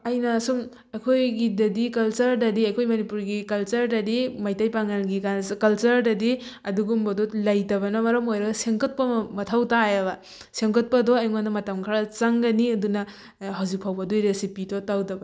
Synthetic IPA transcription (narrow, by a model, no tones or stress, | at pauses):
ɐjnɐsum | ɐjkʰojɡidɐdikɐlt͡ʃɐɾdɐdiɐjkʰojmɐnipuɾɡikɐlt͡ʃɐɾdɐdimajtajpaŋalɡikanskɐlt͡ʃɐɾdɐdiɐduɡumbɐdɔlɐjtɐbɐnɐmɐɾɐmojɾɐɡɐseŋkɐt̚pɐmɐtʰawtajabɐ | seŋkɐt̚pɐdɔajŋandɐmɐtɐmkʰaɾat͡ʃaŋɡɐniɐdunɐ | hawzik̚pʰawbɐdujɾesipidɔtawdɐbɐ